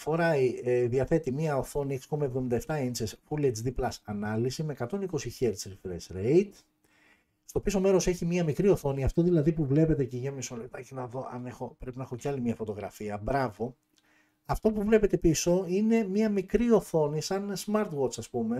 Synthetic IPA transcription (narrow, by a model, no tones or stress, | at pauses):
fo̞ɾɐiðiɐθe̞t̪imiɐoθo̞nieksko̞mɐevðomind̪ɐeft̪ɐensesfuled͡zd̪iplɐsɐnɐlisime̞kɐt̪o̞niko̞siçeɾsɾifɾesɾeit̪ | st̪o̞piso̞me̞ɾo̞se̞çimɐmikɾio̞θo̞niɐft̪o̞ðilɐðipuvle̞pe̞t̪eceʝɐmisolet̪ɐcenɐðo̞ʔɐ̰nexo̞pɾe̞pinɐexo̞ceɐlimiɐfo̞t̪o̞ɣɾɐ̰fiɐbɾɐvo̞ | ɐft̪o̞puvle̞pe̞t̪e̞piso̞ine̞mɲɐmikɾio̞θo̞nisɐnsmɐɾt̪wot͡sɐspume̞